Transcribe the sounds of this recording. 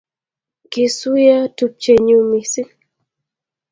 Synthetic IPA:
ki˨su˦ja˦tu˨p̚t͡ʃe˨ɲu˦mi˨si˦

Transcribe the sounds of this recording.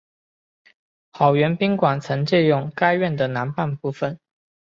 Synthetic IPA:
xɑ˨˩ʊɥɛ˧˥npi˥ŋkwa˨˩nt͡sʰɤ˧˥ŋt͡ɕɛ˥˧jʊ˥˩ŋka˥ɪɥɛ˥˩nd̪ə˩na˧˥npa˥˧npu˥˩fə˩n

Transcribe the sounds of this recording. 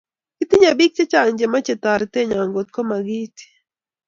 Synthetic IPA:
ki˦t̪i˦ɲa˨bi˦k̚t͡ʃe˦t͡ʃa˨ŋd͡ʒe˨ma˦t͡ʃe˨t̪a˨ɾt̪e˦ɲa˨ŋɡo˨t̪̚kɔ˦ma˨ɡi˦t̪i̥˨

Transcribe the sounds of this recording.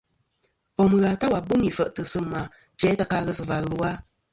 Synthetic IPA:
pɔ˨m˨ɣa˨ta˦wa˨bu˦mi˨fə˨ʔtɨ˨sɨ˦ma˨ | t͡ʃɛ˨˦ta˦ka˧ɣə˦sɨ˨va˨lu˨˦a˦

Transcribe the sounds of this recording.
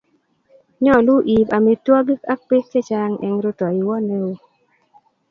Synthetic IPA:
ɲɔ˦˨lu˦ʔi˨pa˨mi˨twɔ˦ɡɪ˦ka˦k̚pe˦se˦t͡ʃa˦ŋɛ̰˨ŋɾu˦tɔ˨i˨wɔ˦ne˦o˦

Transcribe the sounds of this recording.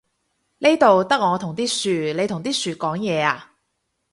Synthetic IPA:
ne˥jt̪o˨wt̪ɐ˥k̚ŋɔː˨˧t̪ʰʊ˨˩ŋt̪iː˥syː˨le˨˧jt̪ʰʊ˨˩ŋt̪iː˥syː˨kɔː˨˥ŋjɛː˨˧aː˧

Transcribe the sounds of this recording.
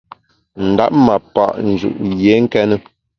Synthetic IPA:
n̩˨da̰˦p̚ma˨pa̰˨ʔn̩˨d͡ʒṵ˨ʔje˨˦ŋ̩˦kɛ˦nə˦

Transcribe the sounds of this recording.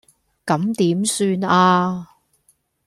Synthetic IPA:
kɐ˨˥mt̪iː˨˥msyː˧naː˧

